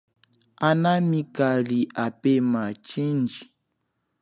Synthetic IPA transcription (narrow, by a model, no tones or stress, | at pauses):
anamikaliʔapemat͡ʃind͡ʒi